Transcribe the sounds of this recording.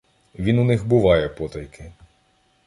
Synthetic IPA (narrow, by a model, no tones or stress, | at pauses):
ʋʲinunɪxbʊʋɑjɛpɔt̪ɐjkʰɪ